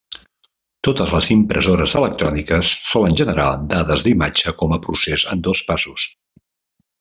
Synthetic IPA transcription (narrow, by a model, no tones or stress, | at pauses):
t̪ot̪əzləzimpɾʔəzoɾəzələk̚t̪ɾɔnikəsːɔlənʲʒənəɾa̰d̪aðəzðimad͡ʒəkɔməpɾusezənd̪ɔspasus